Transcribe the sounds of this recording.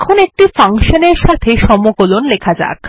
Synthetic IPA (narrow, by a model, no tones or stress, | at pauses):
kʰonek̚ʈifaŋkʃoneɾʃat̪ʰeʃɔmokolonlekʰad͡ʑa̰k